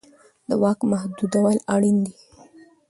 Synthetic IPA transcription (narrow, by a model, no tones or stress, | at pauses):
d̪əwɑkmahd̪ud̪awalaɽind̪i